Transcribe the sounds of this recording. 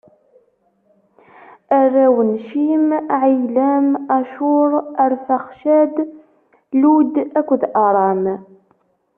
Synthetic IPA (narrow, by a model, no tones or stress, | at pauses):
ærːæwənʃimʕijlæmæʃʊɾˤæɾfæχʃæd̪ | lud̪ækʷːðʔɑɾˤɑm